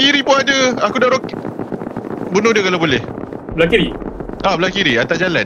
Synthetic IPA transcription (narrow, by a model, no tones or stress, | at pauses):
iɾipʊnad͡ʒəakudaɾok̚ | bənʊdiəkalabolɛhblakiɾiablakiɾiat̪ad͡ʒalan